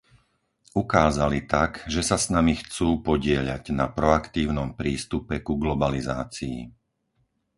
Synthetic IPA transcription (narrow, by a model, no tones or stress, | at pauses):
ukaːzalit̪aɡʒɛsasnamixt͡suːpɔɟɪɛʎa̰ɟnapɾɔakt̪iːʊnɔmpɾiːst̪upɛkuɡlɔbalizaːt͡siḭ